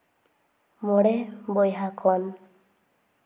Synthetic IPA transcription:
mɔɽɛbɔjɦakʰɔn

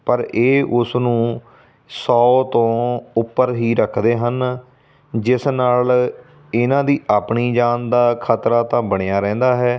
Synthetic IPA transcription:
pəɾeːʔʊsnũː | sɔːt̪õːʊpːəɾɦiːɾəkʰd̪eːɦən | d͡ʒɪsnaːl | ɪnãːd̪iːʔaːpɳiːd͡ʒaːnd̪aːkʰat̪ɾaːt̪ãːbəɽ̃ejaːɾɛ̃ːnd̪aːɦɛː

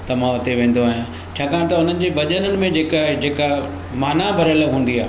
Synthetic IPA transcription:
t̪ɐmãʊt̪eʋẽːn̆d̪oaːɦjã | t͡ɕʰaːkaːnt̪ɐʊn̤ənɪ̆d͡ʑeːʋɐʄənənɪ̆mẽd͡ʑeːkaːɦed͡ʑeːka | maːnabʱɐɾɐləbɦũːnd̪iaːɦ

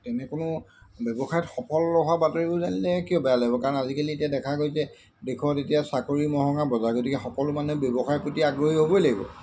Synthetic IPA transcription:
tɛnɛkʊnʊbɔbɔxajɔtxɔpʰɔlːɔɦabatoɹibʊzanilɛkijɔbɛalaɡibɔkaɹɔnazikalietijadɛkʰaɡojzɛ | dekʰuatetijasakoɹimɔɦɔŋabɔzaɡotikɛxɔkɔlʊmanɛbjɔbɔxajpɹotiaɡɹoɦiɦobɔjlaɡibɔ̰

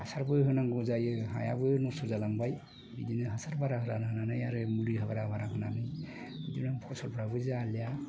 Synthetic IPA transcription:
asaɾbɯjɦɯnaŋɡuzajɯɦa̰ja̰bɯjɯnɔsɔzalaŋbaj | bidinɯɦasaɾbaɾaɦɯɾanaɯnanɯjaɾɯmuliɦabaɾabaɾaknanɯj | bidinaŋpʰɔsɔlbʰɾabɯzaleja

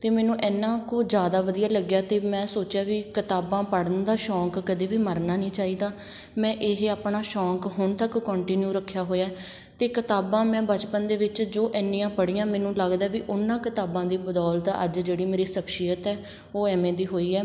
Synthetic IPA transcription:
t̪eːmɛ̃ːnũːʔɛːnãːkoːd͡ʒjaːd̪aːʋəd̪ijaːləɡjaːt̪eːmɛ̃ːsoːt͡ʃjaːʋiːkɪt̪aːbãːpəɽənd̪aːʃɔːkːəd̪eːʋiːməɾnaːnĩːt͡ʃaːiːd̪aː | mɛ̃ːʔeɦaːpɳaːʃɔːkɦʊɳt̪əkːɔ̃ːɳʈiːnjuːɾəkʰːjaːɦoːjaː | t̪eːkɪt̪aːbãːmɛ̃ːbət͡ʃpənd̪eːʋɪt͡ʃd͡ʒoːʔɛːnːĩːãːpəɽiːãːmɛ̃ːnũːləɡd̪aːʋiːʔʊnːãːkɪt̪aːbãːd̪iːbəd̪ɔːlt̪ə̰d͡ʒd͡ʒeːɽiːmeːɾiːsəpʃiːjət̪ɛː | oːɛːmẽːd̪iːɦoːiːɛː

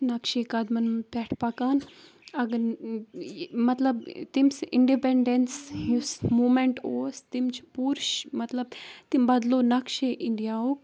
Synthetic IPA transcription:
nɐkʃeːkad̪mɐnmpʲɛʈʰpɐkaːn | ɐɡɐ | mɐt̪lɐbt̪imsḭɳɖipeɳɖensjusmuːmeɳʈoːst̪imt͡ʃʰpuːɾʃmɐt̪lɐb̚t̪imbɐd̪loːnɐkʃeʔiɳɖijaːoːk̚

